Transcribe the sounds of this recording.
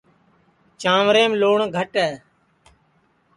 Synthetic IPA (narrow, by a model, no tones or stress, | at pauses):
t͡ʃãːʋɾẽːmloːɳɡʱəʈɛː